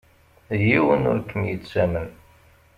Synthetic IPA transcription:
jiwənʊ̰ɾkːəmjət͡sːæmən

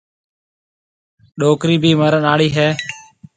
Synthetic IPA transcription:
ɗoːkɾiːbʱiːməɾənaːɽiːɦɛː

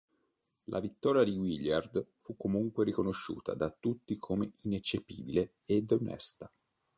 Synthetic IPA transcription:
lʔa̰vit̪ːɔːɾjad̪iɡwiljard̪fukːomuŋkweɾikonoʃːṵːt̪ʰa̰d̪at̪ːut̪ːikʰomeinet͡ʃːepiːbile | ed̪onɛ̰st̪a

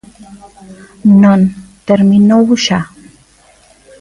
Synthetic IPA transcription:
nont̪eɾmɪnowʃa

